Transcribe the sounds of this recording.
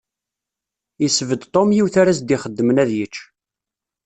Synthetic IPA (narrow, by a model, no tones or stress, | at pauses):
isəvəd̪t̪ˤomjiwθaɾæs̬d̪iχəd̪ːəmənæðjət͡ʃː